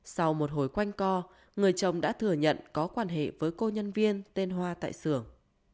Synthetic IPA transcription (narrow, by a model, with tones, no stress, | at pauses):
sa˧wmo˨˩t̚ɦo˧˩jkwa˧jŋ̟kɔ˧ | ŋɨ˨˩əjt͡ɕə˨˩wŋ͡mɗa̰ː˧˥t̪ʰɨ˨˧˩əɲə̰˧˨nkɔ˨˦kwaː˧nɦḛ˧˨vəː˨˦jko˧ɲə˧nvi˧ənt̪e˧nɦwaː˧t̪a̰ː˧˨jsɨ˧˩əŋ